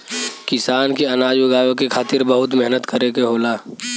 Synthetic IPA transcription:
kɪsaːnkeɐnaːd͡ʒjʊɡaːjəkekʰaːt̪ɪɾbɐɦʊt̪mɛɦnət̪kəɾekeɦoːlaː

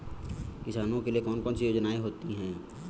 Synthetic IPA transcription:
kɪsaːnõkeliekɔːnkɔːnsijoːd͡ʒnaːeɦoːt̪iɦɛ̃ː

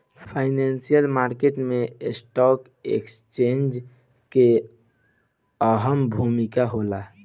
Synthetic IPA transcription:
ppʰaɪnansijəlmaɾkeʈmesʈɔk | ḛkst͡ʃend͡ʒ | ke | əɦəmbʱumikaɦola

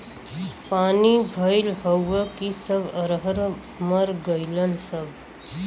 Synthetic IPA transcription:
panibʱəjlɦəwəkisəbʱəɾɦəɾ | məɾɡəjlənsəbʱ

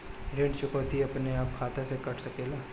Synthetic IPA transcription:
ɾẽːɳɖt͡ʃʊkɔːt̪iɐpneaːp̚kʰaːt̪ʰesekɐʈʰsɐkeːlaː

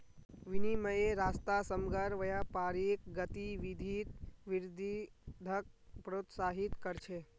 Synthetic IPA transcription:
ʋiniməjeɾaːst̪asəmɡəɾʋəjapaɾik̚ɡət̪iʋid̪ʱit̪ʋɪɾd̪ʱid̪ʱək̚pɾot̪saːɦit̪kəɾt͡ʃʰe

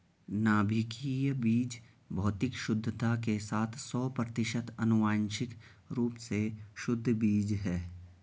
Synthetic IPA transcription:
naːbʱɪkijbiːd͡ʒ | bʱɔːt̪ɪkʃʊd̪ʱːət̪akesaːt̪ʰsɔːpɾɐt̪ɪʃət̪ʰɐnʊʋaːnʃɪk | ɾuːpseʃʊd̪ʱːbiːd͡ʒɦɛː

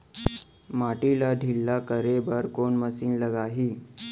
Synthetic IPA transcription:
maʈilaɖʱilːakəɾebəɾkoɳməsiːnləɡaɦiː

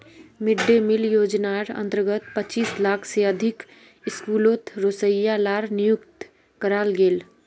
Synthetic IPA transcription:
mɪɖːemɪljoːd͡ʒnaːɾə̰̃nt̪əɾɡət̪pət͡ʃiːslaːkʰseəd̪ʱɪk | ɪskuːloːt̪ɾoːsəjalaːɾnɪjʊkt̪ | kəɾaːlɡeːl

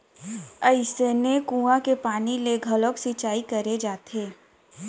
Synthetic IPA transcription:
əɪsenekũːãkepaːnileɡʱələksit͡ʃaːikɐɾed͡ʒaːt̪ʰeː

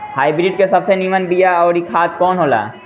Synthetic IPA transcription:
haːibɾiɖ̚kesɐbsenimənbijaɔːɾikʰaːd̪kɔːnɦoːla̰ː

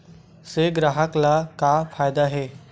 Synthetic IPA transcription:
seɡɾaːɦəklakafʰaːjd̪aɦɛː

